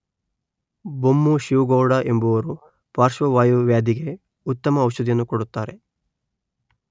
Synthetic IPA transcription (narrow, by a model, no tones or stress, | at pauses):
bomːuʃiʋɡɔːɽaʔe̞mbuʋɐɾu | paːɾʃʋɐʋaːjuʋjaːd̪iɡe̞ | ut̪ːɐmɐːwʃɐd̪ijɐnːukɔɽut̪ːaːɾe̞